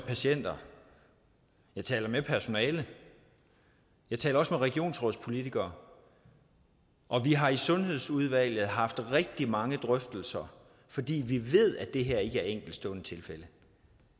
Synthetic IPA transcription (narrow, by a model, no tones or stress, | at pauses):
pʰæɕen̰d̥ɐ | jɑ̈ɪt͡sʰɛ̰ːlɐmepʰæɐso̝nɛːlə | jɑ̈ɪt͡sʰɛ̰ːlɐɒ̽smeʁɛɡ̥io̝̰ːnsʁɔð̩̰ˠspʰo̝lit͡sʰiɡ̥ɐː | ʔɒ̽ʋiɦɑ̈isɔ̽nɦe̝ð̞̰ˠsuð̞ˠʋæl̰jð̩ˠɦɑ̈fd̥ʁɛɡ̥̚d̥imɑ̈ŋəd̥ʁœfd̥l̩sɐ | fɒ̽d̥ḭːʋiʋe̝ð̞̰ˠæd̥e̝ɦeɐ̰e̝ɡ̥əæɐeŋ̰ɡ̥l̩d̥sd̥ɔ̽ːnət͡sʰe̝lfel̰ə